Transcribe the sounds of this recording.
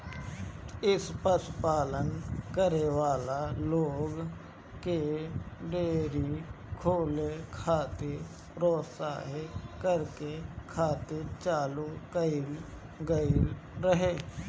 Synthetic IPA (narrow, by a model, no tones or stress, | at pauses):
ɪspəspaːlənkəɾeʋaːlaloːɡ | keɖeːɾi | kʰoːlekʰaːt̪eɾ | ɾoːsa̰ːɦekəɾkekʰaːt̪et͡ʃaːlukəil | ɡəiɾəɦeː